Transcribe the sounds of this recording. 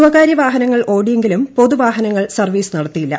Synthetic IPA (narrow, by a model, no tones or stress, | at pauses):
uʋɐɣaːɾjɐʋaːɦɐnɐŋːɐɭʔo̞ːɽije̞ŋɡilumpo̞ðuʋaːɦɐnɐŋːɐɭsɐrʋiːsɨnɐɽɐt̪ːijilːɐ̰